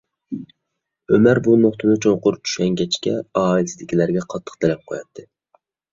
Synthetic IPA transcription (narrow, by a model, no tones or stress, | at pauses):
ømæɾbunoχt̪ʰɨnɨt͡ʃʰoŋqʊɾ̚t͡ʃʰy̥ʃɛŋɡʲɛt͡ʃkʲɛɑːilsɪd̪ɪkʲilæɾɡʲɛqʰɑt̪ʰːə̥qt̪ʰɛlɛp̚qʰojɑt̪ʰːɨ